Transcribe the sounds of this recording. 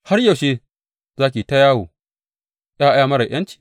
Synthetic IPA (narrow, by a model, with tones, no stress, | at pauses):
ha˦rjɐ˨ʃeː˦ | zaː˦k̬ʲi˨ta˦jaː˦woː˨ | jaː˦ʔa˦jaː˦˨mɐ˦ɾɐ˨ʔj̰ʔɐ˦nt͡ʃi̥˨